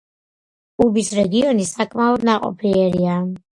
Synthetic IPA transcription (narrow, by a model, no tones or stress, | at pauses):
ubisɾɛɡiɔnisakʼmaɔd̪naqʼɔ̰pʰiɛɾia